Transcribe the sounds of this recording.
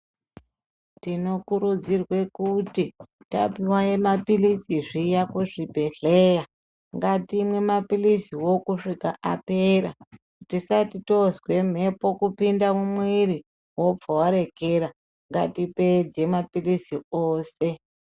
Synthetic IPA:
tino̞kuɾud͡zirwe̞kuti | ta̰piwaemapilisiʐijakuʐibʱe̞ɬeja | ŋɡatimwe̞mapilisiwo̞kuʂika̰ʔape̞ɾa̰ | tisatito̞zwe̞m̤e̞po̞kupindamumwiri | wo̞p͡fowaɾe̞ke̞ɾa | ŋɡa̰tipe̞d͡ze̞mapilisioːse̞

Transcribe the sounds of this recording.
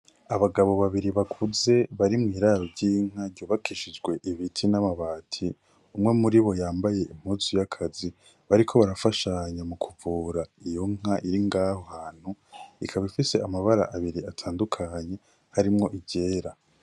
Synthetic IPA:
aβaɡaβo̞βaβiɾiβakʰuze̞βaɾimŋiːɾaɾoɾɟiŋ̥aɾɟoːβakʰiʃid͡ʒɡwe̞ʔiβitʰinamaβaːtʰi | umŋe̞muɾiβo̞jaːmbaje̞ʔim̥huzujakʰazi | βaɾikʰo̞βaɾafaʃaɲamukʰuvuːɾaijo̞ŋ̥aʔiɾiŋɡahohaːn̥huikʰaβifise̞amaβaɾa̰ʔaβiɾiatʰaːndukʰaɲe̞ | haɾimŋo̞ʔiɟe̞ːɾa

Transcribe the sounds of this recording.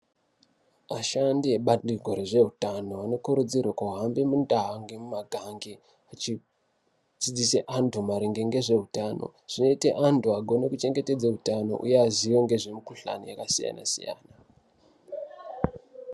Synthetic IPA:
ʋaʃandieɓaɗiɡʱo̞ɾeʐe̞ɦutano̞ano̞kuɾud͡zirwakauɦambemundaɦaŋɡe̞mumaɡʱaŋɡe | at͡ʃi | d͡zid͡ziseʔantʰumaɾiŋɡe̞ŋɡe̞ʐe̞ɦutano̞̰ʐ̥ino̞iteʔantʰuaɡʱo̞nekut͡ʃe̞ŋɡe̞te̞d͡zautano̞̰ʔṵje̞azio̞ŋɡe̞ʐe̞mikuɬa̰no̰jakasija̰na̰sḭja̰ːna

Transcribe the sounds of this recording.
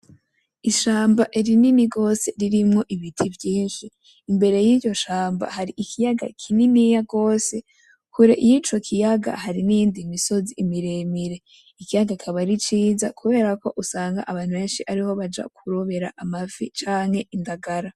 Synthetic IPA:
iʃaːmbaʔiɾininiɡo̞se̞ɾiɾimŋo̞ʔiβitʰivjiːnʃiː | mbe̞ɾe̞jiɟo̞ʃaːmba̰haɾiʔikʰijaɡa̰kʰininijaɡo̞ːse̞ | kuɾeʔijit͡ʃo̞kʰijaɡa̰haɾiniːndimiso̞ziʔːmiɾe̞miɾe̞ | ikijaɡakʰaβaɾit͡ʃiːzakuβe̞ːɾako̞ʔusaːŋɡa̰ʔaβaːn̥uβe̞ːnʃiʔaɾiho̞βad͡ʒa̰kʰuɾoβe̞ɾa̰ʔamavit͡ʃaːŋhe̞ʔindaɡaɾa

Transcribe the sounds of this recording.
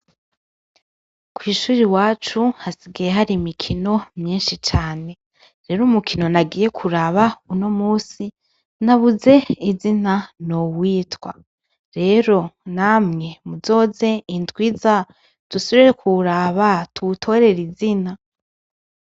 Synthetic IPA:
kwiːʃuːɾiwaːt͡ʃuhasiɡijeɦaɾimikʰino̞mɲiːnʃit͡ʃaːne̞ | ɾe̞ːɾumukʰino̞naɡiːje̞kʰuɾaβauno̞muːsi | naβuze̞izinanowiːtwa̰ | ɾe̞ɾo̞namŋe̞muzo̞ːze̞intwiːza | d̥usoβɾiɾekʰuɾaβatutʰo̞ɾe̞ɾizina

